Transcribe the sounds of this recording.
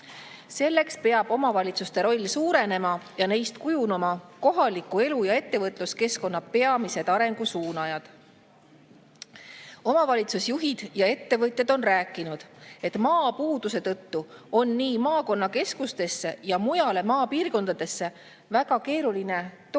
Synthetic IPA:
se̞lːe̞kspe̞ɑb̥o̞mɑvɑlʲit̪sust̪e̞ɾo̞lʲːsuːɾe̞ne̞mɑjɑne̞jst̪kujunɑmɑko̞ɦɑlikːˑue̞lujɑe̞t̪ːe̞vɤt̪ˑluske̞sko̞nːɑpe̞ɑmise̞d̪̥ɑɾe̞ŋɡ̥usuːnɑjɑd̪̥ | o̞mɑvɑlʲit̪susjuɦid̪̥jɑe̞t̪ːe̞vɤt̪ʲːe̞d̪̥o̞nræːkːˑinud̪̥e̞t̪mɑːpuːd̪̥use̞t̪ɤt̪ːuo̞nːiːmɑːko̞nːɑke̞skust̪e̞sːe̞jɑmujɑle̞mɑːpiːrko̞nd̪ɑd̪̥e̞sːe̞ | væɡ̥ɑke̞ːɾuline̞t̪

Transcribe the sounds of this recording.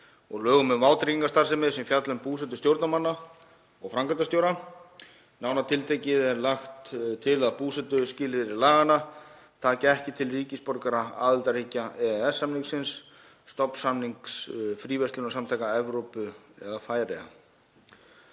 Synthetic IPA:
ɔɣlœːɣʏmʏðmaːwt̪ɾiiŋkast̪aɾ̥sɛmɪðsɛmfjat̪lʏmpuːsɛt̪ʏst̪jowɾt̪namanːa | ɔɣfɾaŋkant̪̬ast̪jowɾa | naːwnat̪ʰɪlt̪ʰejcɪðɛɾlaxt̪t̪ʰɪlaðpuːsɛt̪ʏscɪːlvɪɾɪɾlaːɣana | t̪ʰaːcɪɛhcɪt̪ʰɪlriːcɪspɔɾkaɾaa̰ːðɪlt̪ariːcaɛɛsːamniŋksɪnsː | t̪ɔpn̥samniŋksfɾiːvɛst̪ʏnasamt̪ʰajkaɛvɾowpʏɛðafaːjɾɛ̰a̰

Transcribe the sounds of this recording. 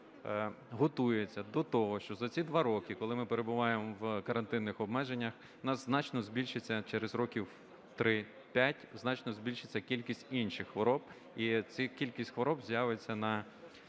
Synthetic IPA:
ɦɔt̪ujet͡sʲːɐd̪ɔt̪ɔɦɔʃt͡ʃɔzɐt͡sʲid̪ʋɑɾɔkikɔlˠɪmɪpeɾe̞bʊʋɑjemɔwkɐɾɐnt̪ɪnːɪxɔbmɛʒenʲːɐx | nɑsznɑt͡ʃnɔzbʲilʲʃet͡sʲːɐt͡ʃɛɾezɾɔkʲiw | t̪ɾɪ | pʲatʲznɑt͡ʃnɔzʲbʲilʲʃɪt͡sʲːɐkʲilʲkʲisʲtʲinʃɪxxʋɔɾɔb̥ | it͡sʲikʲilʲkʲisʲtʲxʋɔɾɔbzʲjaʋet͡sʲːɐnɐ

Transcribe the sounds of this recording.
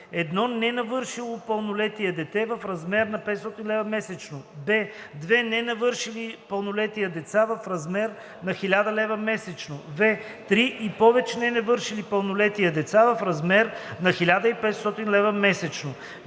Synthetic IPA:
ɛd̪nɔnɛnɐvɤɾʃilˠopəlˠnʊlɛt̪iɐd̪ɛt̪ɛvɐfɾɐzmɛɾnɐpɛt̪st̪ɔt̪inlɛvɐmɛsɛt͡ʃnobɛd̪vɛnɛnɐvɤɾʃilipɐlˠnʊlɛt̪ijəd̪ɛt̪savɐfɾɐzmɛɾ | nɐxilʲad̪ɐlɛvɐmɛsɛt͡ʃnovɛ | t̪ɾiʔipɔvɛt͡ʃɛnɛnɐvɤɾʃilipɐlˠnʊlɛt̪ijɐd̪ɛt̪savɐfɾɐzmɛɾnɐxilʲad̪əipɛt̪st̪ɔt̪inlɛvɐmɛsɛt͡ʃno

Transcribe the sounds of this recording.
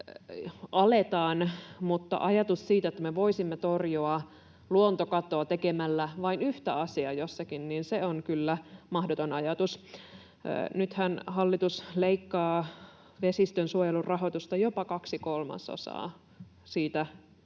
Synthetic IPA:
ʔɑlet̪ɑːnmut̪ːɑ̰ʔɑjɑt̪ussiːt̪æet̪ːæmeʋoisimːet̪orjoɑ | luont̪okɑt̪oɑt̪ekemælːæʋɑinyht̪æɑsiɑjosːɑkinniːnseonkylːæmɑhdot̪onɑjɑt̪us | nyt̪hænɦɑlːit̪usleikːɑː | ʋesist̪ønsuojelurrɑɦot̪ust̪ɑjopɑkɑksikolmɑ̰so̰sɑ̰ː | siːt̪æ

